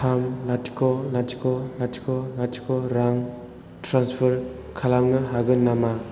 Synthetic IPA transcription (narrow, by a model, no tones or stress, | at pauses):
kʰamlati̥kɔlatʰikɔlatʰi̥kɔlatʰi̥kɔɾaŋ | tɾanspʰəɾ | kʰalamnɯɦaɡɯnama